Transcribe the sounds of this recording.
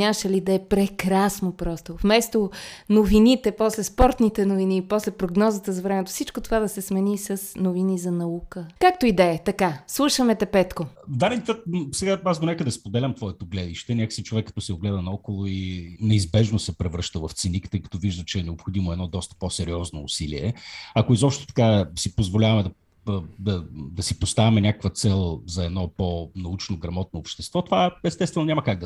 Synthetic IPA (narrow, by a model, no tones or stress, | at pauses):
ɲʲaməʃɛlid̪ɐɛpɾɛkɾasnopɾɔst̪ofmɛst̪onovinit̪ɛpɔslɛspɔɾt̪nit̪ɛnovinipɔslɛpɾoɡnɔzət̪əzɐvɾɛmɛt̪ofsit͡ʃkot̪ovad̪ɐsɛsmɛnisəsnovinizɐnɐukəkak̚t̪oid̪ɛət̪ɐkaslˠuʃəmɛt̪ɛpɛt̪kovd̪ad̪ɛnt̪ʲət̪̚sɛɡaazd̪onɛkəd̪ɐspod̪ɛlʲɐmt̪vɔɛt̪oɡlɛd̪iʃt̪ɛnʲakə̥sit͡ʃovɛkːɐt̪ɔsɛoɡlɛd̪ɐnɐɔkolˠʊinɛizbɛʒnosɛpɾɛvɾɤʃt̪əvɐft̪sinikt̪əikɐ̥t̪ɔviʒd̪ət͡ʃɛːnɛopxod̪imoɛd̪nɔd̪ɔst̪ə̥posɛɾiɔznoːsilḭɛɐkʊizɔpʃt̪o̥t̪ɐ̥kasipozvolʲavɐmɛd̪ɐ | d̪ɐd̪ɐsipost̪avimɛnʲakəkvət̪sɛlˠzɐɛd̪nɔponɐut͡ʃnoɡɾɐmɔt̪noːpʃt̪ɛst̪vɔt̪ovaɛst̪ɛst̪vɛnonʲɲamɐkaɡ̚d̪ə